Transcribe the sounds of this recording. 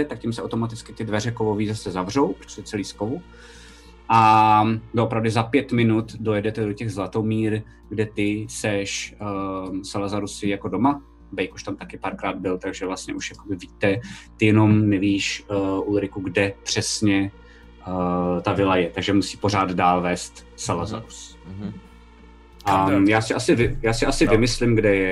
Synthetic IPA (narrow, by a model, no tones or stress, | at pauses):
ɛt̪ak̚cɪmsɛʔa̰wt̪omat̪ɪt͡skɪt̪ɪdvɛrɛkovoviːzasɛzavr̝o̞wpɾo̥ɛt͡sɛliːskovu | ʔa | doʔopɾavdɪzapjɛt̪mɪnut̪dojɛdɛt̪ɛdo̞cɛɣzlat̪omiːɾ | ɡdɛt̪ɪsɛʃ | salazaɾusɪjako̞do̞ma | bɛjkoʃt̪amt̪akɪpaɾkɾaːd̪̚bɪlt̪aɡʒɛvlast̪ɲɛʔuʃjako̞bɪviːt̪ɛt̪ɪjɛno̞mnɛviːʃʔulɾɪkuɡdɛpr̥ɛsɲɛ | t̪avɪlajɛt̪aɡʒɛmusiːpo̞r̝aːd̪daːlvɛːst̪ | salaza̰ɾus | ʔajaːsɪʔasɪvɪjaːsɪʔasɪvɪmɪslɪmɡdɛjɛ